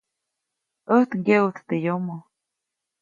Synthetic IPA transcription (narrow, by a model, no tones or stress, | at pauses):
əht̪ŋɡewt̪t̪ejomo